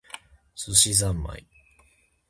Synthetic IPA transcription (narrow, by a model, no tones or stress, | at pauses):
sɨɕizãmːa̰i